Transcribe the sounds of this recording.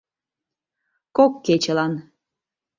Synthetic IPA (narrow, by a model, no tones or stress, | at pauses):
kokːet͡ɕelɑn